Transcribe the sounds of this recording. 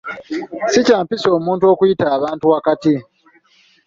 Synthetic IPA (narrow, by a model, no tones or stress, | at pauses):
sicaːmpiso̞ːmuːntuo̞ːkujitaːβaːntuakati